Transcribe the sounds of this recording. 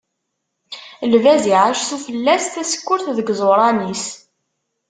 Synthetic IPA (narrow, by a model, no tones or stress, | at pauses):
lvæziʕæʃθufəlːæsθæsə̥kːʊɾθðəɡzˤoɾˤɑnis